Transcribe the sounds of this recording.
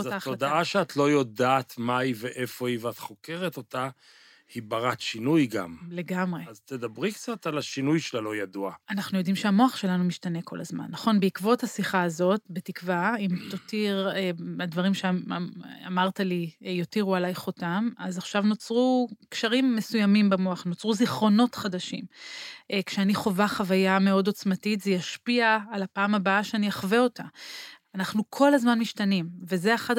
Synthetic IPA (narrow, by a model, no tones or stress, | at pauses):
ozaat̪od̪aʔaʃeat̪ʰlo̞jo̞d̪aːt̪maiveʔe̞fo̞iveat̪χo̞ke̞ʁet̪o̞t̪a | hibaʁat̪ʃinujɡa̰mle̞ɡamʁeazt̪ed̪abʁikt͡sat̪alaʃinujʃelalo̞jad̪uaanaχnujo̞d̪imʃeamo̞aχʃe̞lanumiʃtane̞kʰo̞̰lʔazma̰nːɐχo̞nbeikvo̞thasiχaːzo̞tbetikvaimt̪otiʁeadvɐʁimʃe | amaʁtalijo̞tiʁualajχotamazaχʃavno̞t͡sʁukʃaʁimːesujamimbamoaχno̞t͡sʁuziχʁo̞no̞tχadaʃimʔkʃeaniχo̞vaχavajame̞o̞do̞t͡smatitzejaʃpiaːlapaːmabaaʃeaniaχveo̞taanaχnukʰo̞lazmanmiʃtanimve̞zeaχad